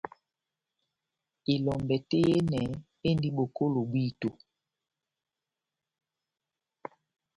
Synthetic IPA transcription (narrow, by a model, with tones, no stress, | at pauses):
i˨lɔ˨mbɛ˨te˦je˦nɛ˨ | e˦ndi˦ɓo˨ko˦lo˨ɓwi˦to˨